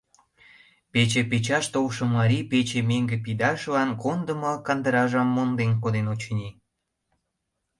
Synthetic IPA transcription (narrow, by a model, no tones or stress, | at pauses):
pet͡ɕepet͡ɕɑʃt̪olʃə̆mːɑɾʲipet͡ɕemeŋɡĕpid̪ɑʃlɑnkond̪ə̆mɤkɑnd̪əɾɑʒɑmːond̪enkod̪enot͡ɕnʲi